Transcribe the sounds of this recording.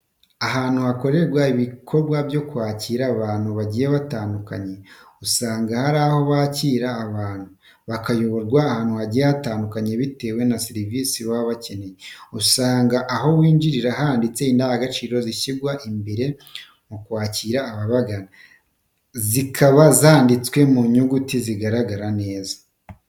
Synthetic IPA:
aɦaːn̥huhako̞ɾe̞ɡwaiβikʰo̞ɾɡwabjo̞kuwaːciːɾaβaːn̥huβaɟijeβataːndukaɲe̞usaːŋɡahaɾaho̞βaciːɾaːβaːn̥hu | βakajo̞βo̞ɾɡwaːhaːn̥huhaɟijehataːndukaɲe̞βite̞ːwe̞nasiɾiviːsiβaβace̞ne̞jeusaːŋɡaʔːɦo̞wiːɲd͡ʒiɾiɾaɦandit͡seiːndaːhaɡat͡ʃiːɾo̞ziʃiɡwaʔimbeɾe̞ | mukwaːciːɾaːβaβaɡana | zikʰaβazaːndit͡swe̞muɲuɡutiziɡaɾaɡaɾane̞ːza

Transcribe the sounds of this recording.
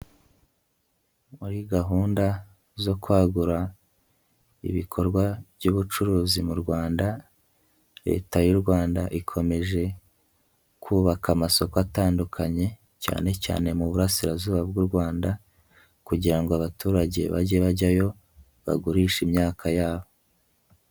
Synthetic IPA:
muɾiɡaɦuːnda | zo̞kwaːɡuɾa | ḭβikʰo̞ɾɡwaβɟuβut͡ʃuɾuːzimuɾɡwaːnda | ɾe̞̰ːtajuɾɡwaːndaʔikʰo̞me̞ʒe̞ | kʰuːβakamaso̞koataːndukʰaɲe̞ | ca̰ːne̞ca̰ːne̞muβuɾasiɾazuːβabɡuːɾɡwaːnda | kuɟiɾaŋɡoaβatʰuːɾaɟe̞̰βa̰ɟe̞βaɟajo̞ | βa̰ɡuɾiːʃimɲaːkʰajaːβo̞

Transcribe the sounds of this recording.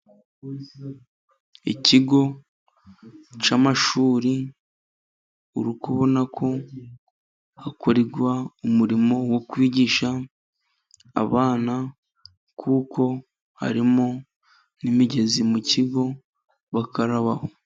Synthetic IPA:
ḭciɡo̞ | t͡ʃamaʃuːɾi | uɾukuβonakʰo̞ | hakoɾeɡwaumuɾimo̞wokwiːɟiːʃa | βaːna | kʰuːkʰo̞ | ha̰ɾimo | nimiɟe̞zimuciɡo̞ | βakaɾaβaho

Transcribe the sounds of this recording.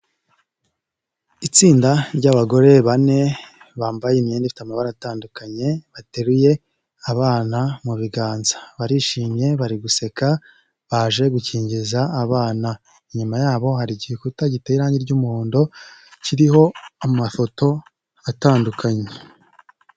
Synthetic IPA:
it͡siːndaɾɟaβaɡo̞ɾe̞βane̞ | βaːmbajenieːndifi̥tamaβaɾaataːndukaɲe̞βate̞ɾuje̞ | aβaːnamuβiɡaːnzḁβaɾiʃiːmɲe̞βaɾiɡuse̞ka | βaʒe̞ɡuciːɲɟizaːβaːna | iɲumajaːβo̞ɦaɾiɟiikutaɟiteiɾaːɲiɾɟumuhoːndo̞ciɾiho̞amafo̞to̞ | ataːndukʰaɲe

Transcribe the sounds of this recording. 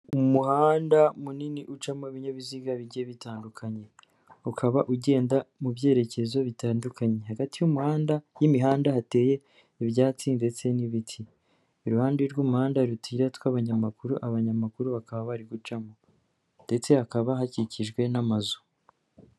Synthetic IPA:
umuhaːndamuniniʔut͡ʃamoiβiɲeβiziɡaβiɟieβitaːndukʰaɲe̞ | ukʰaβaʔuɟe̞ːndamubje̞ːɾe̞ce̞zo̞βitaːndukʰaɲe̞haɡatijumuhaːndajimiɦaːndahate̞ːje̞ | ivjaːt͡sinde̞t͡se̞niβitʰiː | ɾuhaːndeɾɡumuhaːndaɾutʰiɾatwaβaɲamakuɾuʔaβaɲamakuɾuβakaβaβaɾiɡut͡ʃamo | nde̞t͡se̞hakaβaɦaciciʒɡwe̞namazu̥

